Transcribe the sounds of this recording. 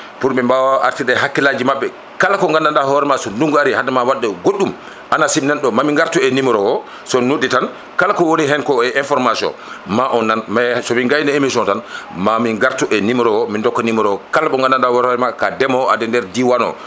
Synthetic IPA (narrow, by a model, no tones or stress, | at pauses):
puɾɓɛmbawaʔa̰ɾtiɗɛɦakːilad͡ʒimaɓːɛ | kalakɔŋɡandandahɔɾɛmasɔnduŋɡuaɾihadamawaɗːɛɡoɗːum | ʔanasibnɛnɗɔmamiŋɡaɾtuɛnimɾɔwɔ | sɔnuɗːitan | kalakɔwoniɦɛnkɔɛʔinfɔɾmasiɔ̰nmaʔɔnːanmasɔmiŋɡajnɛemisiɔntanmamiŋɡaɾtuʔɛnimɔɾɔwɔmindɔkːɔnimɔɾɔwɔkalaɓɔŋɡandandahɔɾɔɛmakadɛmɔadɛndɛɾdiwanɔ̰